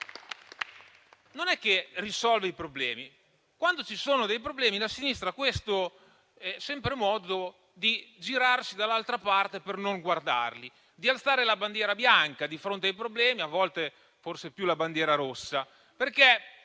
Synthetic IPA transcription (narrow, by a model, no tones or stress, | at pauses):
nonɛkːerisɔlveipɾoblɛːmi | kwand̪ot͡ʃisoːnod̪ejpɾoblɛːmilasinist̪ɾakwest̪o | ɛsɛmpɾemɔːd̪o | d̪id͡ʒiɾarsid̪alːalt̪ɾapart̪epernoŋɡward̪a̰rli | d̪ialt̪saːɾelaband̪jɛːɾabjaŋkad̪ifɾont̪eajpɾoblɛːmiavːɔlt̪e | forsepjulaband̪jɛːɾaɾosːa | perke